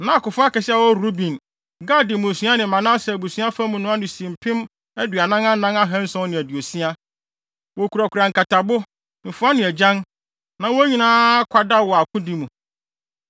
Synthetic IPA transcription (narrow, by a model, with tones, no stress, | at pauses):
nã˦a˨kʊ˨fʊ˦a˦kɛ˨sɪ˦a˨wɔ˦ɾu˦bĩ˨n | ɡa˦dɪ˨mʊ̃˨sĩ˦a˦nɪ̃˨mã˨nã˦sɛ˨bu˨sũ˦a˦fa˦mũ˨nʊ̃˦a˦nɪ˨sĩ˨m̩˨pʰɪ̃˦m | ɛ˦dɥa˨nã˦ŋã˦n̩˦nã˦ŋa˦ɦɛ̃˦n̩˦sɔ̃˦nɪ̃˨æ˨dɥo˨si˦a˦ | wɔ˨kʰu˨ɾa˨kʊ˨ɾa˨ŋ̩˨ka˨tʰa˨bʊ˦ | m̩˨fʊ˦a˦nɪ̃˨æ˨d͡ʑã˦n | nã˨wɔ˦ɲĩ˦nãː˦kʷʰa˨da˦wɔ˨a˨kʰʊ̃˦di˨˦mũ˨